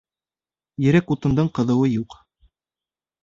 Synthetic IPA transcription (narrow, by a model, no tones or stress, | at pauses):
jɘ̆ɾækut̪ɤ̆nd̪ɤɴqɤ̆ðɤ̆wɤjuq